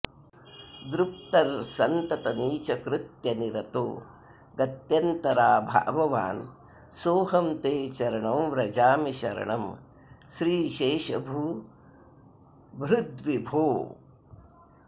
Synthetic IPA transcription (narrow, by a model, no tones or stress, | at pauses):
d̪ɾup̚ʈɐɾsɐnt̪ɐt̪ɐniːt͡ʃɐkɾɪt̪jɐniɾɐt̪o̰ː | ɡɐt̪jɐnt̪ɐɾaːbʱa̰ːʋɐʋa̰ːn | soːɦɐmt̪eːt͡ʃɐɾɐɳɐmɾɐd͡ʒaːmiʃɐ̰ɾɐ̰ɳɐm | ʃɾiːʃeːʃɐbʱuː | bɾud̪ʋibʱoː